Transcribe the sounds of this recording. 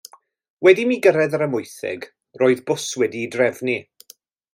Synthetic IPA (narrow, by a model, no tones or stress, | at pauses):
wɛdimiɡəɾɛðəɾəmʊjθɪ̰ɡ | roːɨðbʊswɛdidrɛvni